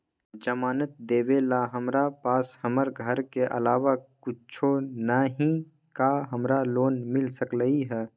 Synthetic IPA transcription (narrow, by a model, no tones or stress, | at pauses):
d͡ʒəmaːnət̪̚d̪eːʋelaɦəmɾapaːshəməɾɡʱəɾkeʔə̰laːʋakʊt͡ʃʰonaɦĩ | kaɦəmɾaloːnmɪlsəkləiɦɛː